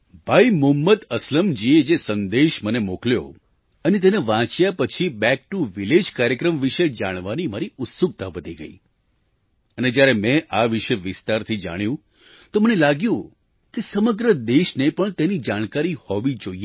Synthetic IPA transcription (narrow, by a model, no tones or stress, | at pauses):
bʱaimʊmːət̪əsləmd͡ʒied͡ʒesənd̪eʃmənemokljo̰ | ənet̪eneʋãt͡ʃjapət͡ʃʰibɛk̚ʈuʋiled͡ʒkaɾjəkɾəmʋiʃed͡ʒaɽ̃ʋanimaɾiʊt̪suɡ̚t̪aʋət̪iɡə̰ḭ | əned͡ʒjaɾemẽʔaʋiʃeʋɪst̪aɾt̪ʰid͡ʒa̰ɽ̃jũ | t̪omənelaɡjũ | kesəməɡɾəd̪eʃnepəɳt̪enid͡ʒaɽ̃kaɾihɔʋid͡ʒoie